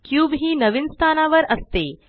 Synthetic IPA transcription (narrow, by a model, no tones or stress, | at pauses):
kjuːʋɦiːnəʋinst̪ʰanaʋəɾəst̪e